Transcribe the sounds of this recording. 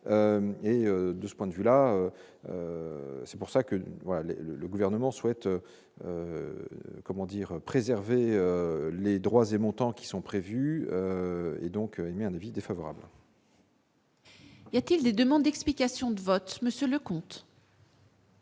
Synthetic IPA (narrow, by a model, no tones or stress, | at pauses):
ømeød̪əsə̥pwɛ̃d̪vylaø | ø̰sɛpuʁsakəvwalalḛlələɡuvɛʁnəmɑ̃swɛt̪ø | ø | kɔmɑ̃d̪iʁøpχezɛʁveøled̪ʁwazemɔ̃t̪ɑ̃kʲi̥sɔ̃pχevyøḛd̪ɔ̃kʰøemeɛ̃navid̪efavɔʁa̰bl | ijat̪ild̪ed̪əmɑ̃d̪d̪ɛksplikʲasjɔ̃d̪əvɔt̪məsjøləkɔ̃t̪